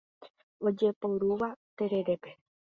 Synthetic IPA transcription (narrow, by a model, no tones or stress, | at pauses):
od͡ʒepoɾuʋat̪eɾeɾepe